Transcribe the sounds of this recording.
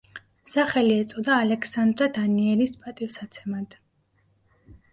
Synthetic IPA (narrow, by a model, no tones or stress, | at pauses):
saχɛliɛt̪sʼɔd̪aːlɛkʰsand̪ɾad̪aniɛlispʼat̪ʼifsat̪sʰɛmad̪̥